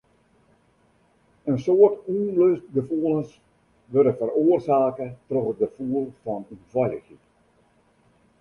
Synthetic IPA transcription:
ənsoərtunløst̚ɡəfuəlˠəns | ʋørdəfəroːərsaːkətrɔχət̚ɡəfuːəlfɔnynvɔjəxit

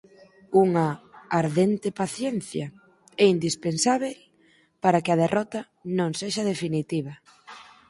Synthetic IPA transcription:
uŋɐːɾðent̪epaθjɛnθjɐ | ɛind̪ispensaβ̞el | paɾakeɐð̞erʔɔt̪ɐ | nõŋseʃɐð̞efinit̪iβɐ

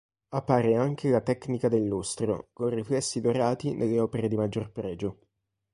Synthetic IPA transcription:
apːaːɾeaŋk̟ʰelat̪ɛknikad̪elːust̪ɾo̰konriflɛsːid̪oɾaːt̪inʔelːeɔːpeɾed̪imad͡ʒːorpɾɛːd͡ʒo

